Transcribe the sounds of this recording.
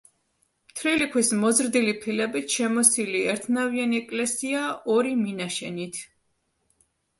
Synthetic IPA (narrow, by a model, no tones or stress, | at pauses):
mt̪ʰɾilikʰwismɔzɾd̪ilipʰilɛbit̪ʰʃɛmɔsiliɛɾt̪ʰnavianiɛkʼlɛsiaɔɾiminaʃɛnit̪ʰ